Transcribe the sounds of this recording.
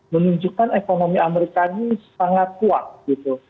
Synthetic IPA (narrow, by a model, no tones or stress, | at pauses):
mənuɲd͡ʒukanekonomiʔameɾikanissaŋat̪̚kuak̚ɡ̥it̪u